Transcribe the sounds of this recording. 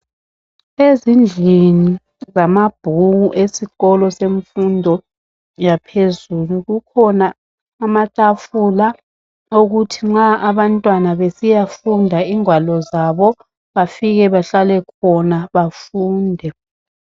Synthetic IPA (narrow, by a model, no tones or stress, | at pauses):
ezind͡ɮʱini | zamab̥ʱuɣuʔesiɣɔlɔseɱfundʱɔ | japʰezuluɣukʰɔnaː | matʼafula | oɣutʰiŋ͡ǁaʔaβantʼwanaβesijafundʱaiŋwalɔzaβɔ | βafiɣɛβaɬalɛkʰɔnaβafuːndʱɛ